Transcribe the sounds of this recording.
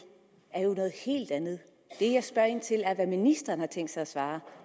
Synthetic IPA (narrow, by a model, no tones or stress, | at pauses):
æɐjo̝nɔ̽ːð̩ˠhe̝̰ːld̥ænð̞̩ˠ | d̥e̝jɑ̈ɪsb̥ɶɐ̰ent͡sʰe̝læɐʋæminisd̥ɐːn̩hɑ̈t͡sʰeŋ̰d̥sɑɪæsʋɑ̈ː